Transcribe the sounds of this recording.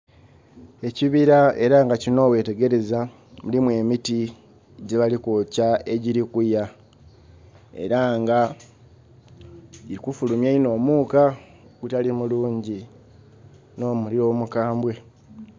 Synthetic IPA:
e̞ciβiɾae̞ɾaŋɡacino̞ːwe̞ːte̞ɡe̞ɾe̞za | mulimwe̞ːmiti | ɟeβalikocae̞ɟiɾikuja | e̞̰ɾaŋɡa | iɾikufulumjaino̞ːmuːka | ɡutalimuluːɲɟi | no̞ːmuliɾo̞ːmukaːmbwe̞

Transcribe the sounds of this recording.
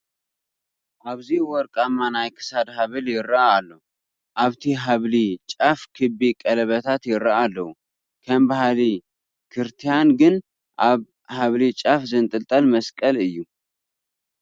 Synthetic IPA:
ʔaβziwɔɾkʼamːanajkʰɨ̥sad̪ɦaβɨljɪɾːaːlːəhu | ʔaβt̪ʰiɦaβlit͡ʃʼafkʰɨbikʼələβət̪ʰat̪jɪɾaʔalːəhu | kʰəmbahali | kʰɨɾt̪ʰijanɡɨn | ʔa | haβlit͡ʃʼafzɨnt̪ʼɨlt̪ʼəlməskʼəlɨjːu

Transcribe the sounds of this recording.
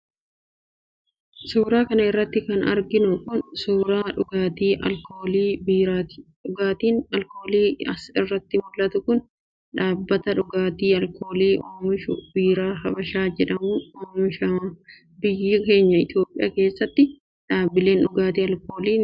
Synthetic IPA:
suːɾaːkɐnɐɪrːɐt̪ːɪkɐnɐ̰ɾɡɪnʊkʊnsuːɾaːᶑʊɡaːt̪iːʔɐ̰lkoːliː | ᶑʊɡaːt̪iːnɐlko̞ːliːɐsɪrːɐt̪ːɪmʊlːɐt̪ʊkʊn | ᶑaːbːɐt̪ɐᶑʊɡaːt̪iːɐlkʰo̞ːliːʔoːmɪʃʊ̰biːɾaːɦɐbɐʃaːd͡ʒɛᶑɐmʊːoːmɪʃɐ | bɪjːɪke̞ːɲːɐɪt̪jo̞ːpʼːɪjʔa̰ːke̞ːsːɐt̪ːɪ | ᶑaːbːɪle̞ːnᶑʊɡaːt̪iːɐlko̞ːliːn

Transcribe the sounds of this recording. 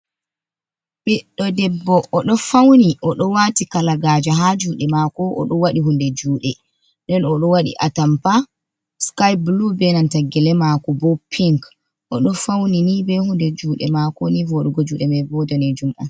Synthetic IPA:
ɓɛɗːɔdɛbːɔʔːɗɔfawniʔɔɗɔwatikalaɡaːd͡ʒaɦad͡ʒuɗɛmakɔʔɔ̰ɗɔwaɗiɦundɛd͡ʒuːɗɛ | ndɛnɔɗɔwaɗḭʔa̰tampa | skajblubɛnantaɡɛlɛmakɔbɔpʰːiŋk | ʔɔɗɔfawninibɛhundɛd͡ʒuːɗɛmakɔnivɔɗɡɔd͡ʒuɗɛmɛbɔdanɛd͡ʒumʔan

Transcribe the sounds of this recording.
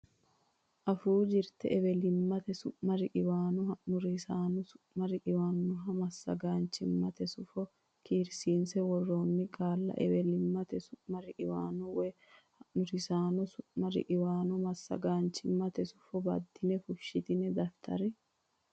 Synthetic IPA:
ʔɐfuːd͡ʒɪɾt̪ɛ̰ʔɛβɛlɪmːɐt̪ɛsʊʔmɐɾɪʔɪwaːnɔhɐʔnʊɾsaːnɔsʊ̥ | mɐɾɪʔɪwaːnːʊɦɐmɐsːɐ̰ɡaːnt͡ʃːɪmːɐt̪ɛsʊfɔ | kʰiːɾsiːnsɛwɔrːoːnːɪkʼaːlːɐ̰ʔɛwɛlɪmːɐt̪ɛsʊʔmɐɾɪʔɪwaːnɔwɛ | hɐʔnʊɾɪsaːnɔsʊʔmɐɾɪ̰ʔɪwaːnɔmɐsːɐ̰ɡaːnt͡ʃːɪmːɐt̪ɛsʊ̥fɔbɐ̰d̪ːɪnɛfʊʃːɪt̪ɪnɛd̪ɐft̪ʰɐ̰ɾɛ

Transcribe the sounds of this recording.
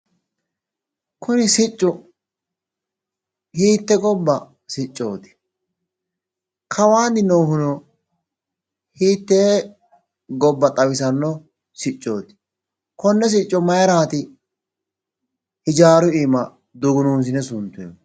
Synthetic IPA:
kʰʊnɪsɪt͡ʃʼːʊ | hiːt̪ːɛɡɔbːɐ | sɪt͡ʃʼːo̞̰ːt̪ɪ̥ | kʰɐwaːd̪ɪnoːhʊnɔ | hiːt̪ːeː | ɡɔbːɐt̪ʼɐwɪsɐnːɔ | sɪt͡ʃʼːo̰ːt̪ɪ̥ | kɔnːɛs̬ɪt͡ʃʼːɔmɐjɛɾaːt̪ɪ | hɪd͡ʒaːɾʊiːmɐ | d̪ʊɡʊnuːs̬ɪnɛsʊnt̪ːʊjo

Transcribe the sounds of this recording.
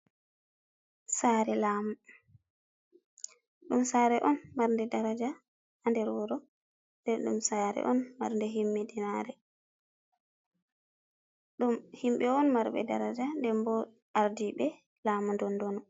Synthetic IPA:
saɾɛlaːmu | ɗumsaːɾɛʔɔnmaɾndɛdaɾad͡ʒa | handɛɾwɔɾɔ | ndɛɗṵmsaɾɛ̰ʔɔnma̰ɾndɛɦimːidinaɾɛ | ɗumhimɓɛɔnmaɾɓɛ̰da̰ɾad͡ʒandɛmbɔ | aɾdiɓɛ | lamundɔndɔnɔ

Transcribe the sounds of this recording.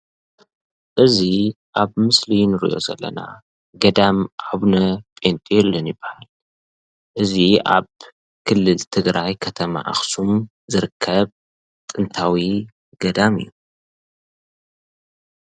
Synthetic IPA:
ʔɨziʔaβmɨslinɨɾḭjʔo̞̰zɐ̰lːɐ̰na̰ | ɡɐd̪amʕaβnɐpʼent̪ʼjɛlːɐnjɪbːahal | ʔɨzia̰β | kʰɨlːɨlt̪ʰɨɡɾajkʰɐt̪ʰɐma̰ʔa̰xsum | zɨɾɨkʰːɐβ | t̪ʼɨnt̪ʰawi | ɡ̥ɐd̪amɨ̰jːu

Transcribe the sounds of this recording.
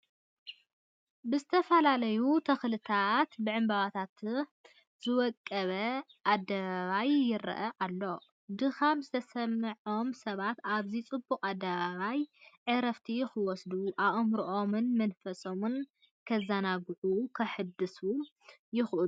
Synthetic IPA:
bɨzɨt̪ʰɐfɐlalɐjut̪ʰɐxlɨt̪ʰat̪bɨʕɨmbaβat̪ʰat̪ | z̥ɨwɔkʼːɐβɐ | ʔad̪ɐβaβajːɪɾɐ̰ʔɐʔalːo̞ | d̪ɨxamzɨt̪ʰɐsɐmːɨʕo̞msɐβat̪aβzit͡sʼɨbːukʼad̪ːɐβaβajʕɨɾɐft̪ʰixɨwɔsd̪uʔaβʔɨmɾuʔomɨnmɐnfɐsʼomun | kʰɐzanaɡʕukʰɐħɨd̪ɨsu | jɪxʔɨl

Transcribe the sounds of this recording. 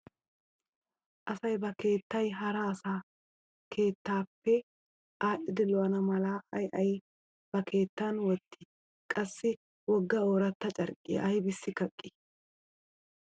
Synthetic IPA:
ʔɐsɐjbɐke̞ːt̪ːɐjɦɐɾɐːsaː | kʰe̞ːt̪ːaːpːɛ | ʔaːʔɪd̪ɪlɔɐnɐmɐlaːɐjʔɐj | b̥ɐkʰe̞ːt̪ːanwɔt̪ʰːi | kʼɐsːɪ | wɔɡːɐoːɾɐt̪ːɐt͡ʃʼɐɾkʼɪ̰ʔɐjbɪsːɪkɐkʼːɪ

